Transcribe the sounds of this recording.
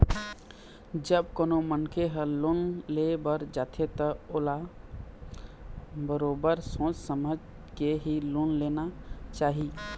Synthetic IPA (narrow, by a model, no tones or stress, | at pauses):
d͡ʒəbkoːnomənkʰeɦəlonlebəɾd͡ʒaːt̪ʰet̪əoːla | bəɾoːbəɾsõːt͡ʃsəməd͡ʒ | keɦilonlenat͡ʃaːɦi